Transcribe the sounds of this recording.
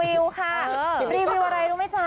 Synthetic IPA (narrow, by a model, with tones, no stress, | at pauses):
i˧wkʰa˥˩ɾiː˧wi˧wʔa˧ɾa˧jɾuː˧˦ma˥˩jsa˧˦